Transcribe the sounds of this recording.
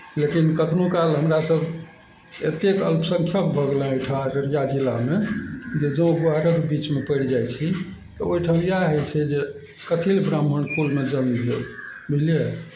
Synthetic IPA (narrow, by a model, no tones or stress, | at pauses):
lekinkək̪ʰnokalɦəmɾasəbʱ | ḛt̪ekə̰lpsə̃ŋkʰjəpbʱəɡelə̃ojʈʰãɾənjad͡ʒilːamed͡ʒed͡ʒə̃bəɦɾəkbit͡ʃmepəɽd͡ʒajt͡ʃʰi | t̪əojʈʰaw̃jaɦəjt͡ʃʰɛd͡ʒe | kət̪ʰilbɾamənkulmed͡ʒənbʱebʱilje